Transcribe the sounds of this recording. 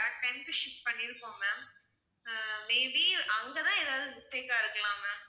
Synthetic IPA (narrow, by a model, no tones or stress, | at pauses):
ɐɾɐk̚ʈɐnpɪʂɪp̚pɐɳːɪɾɯkːõːmam | meːbiʔɐŋɡɐt̪ãːeːðaːʋðɯmʊsteːkːaːɪɾɯkːɐɭãːmɛːm